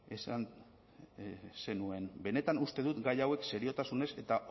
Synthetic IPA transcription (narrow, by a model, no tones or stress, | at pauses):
esan | se̞nue̞mbe̞ne̞t̪anust̪e̞ðut̪ɡajawe̞kse̞ɾio̞t̪asune̞se̞t̪a